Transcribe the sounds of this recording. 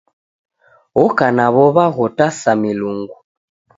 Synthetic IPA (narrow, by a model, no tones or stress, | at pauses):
ɔkanaβɔβaɣɔtasamiluŋɡu